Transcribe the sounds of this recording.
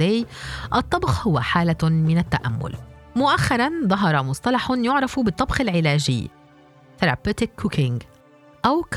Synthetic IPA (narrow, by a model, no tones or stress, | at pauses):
æːjʔɑt̪ˤːɑbxhʊwːæħaːlamɪnat̪ːaʔæ̰mːʊ̰lmʊʔaxːɑɾˤɑnðˤɑɦɑɾˤɑmʊsˤt̪ˤɑlɑħʊnjʊʕɾˤɑfubɪt̪ˤːɑbxɪlʕɪlæːd͡ʒɪ̰ː | t̪aɾˤɑ̰pːæt̪ɪkːʊkɪŋɡ | ʔæwk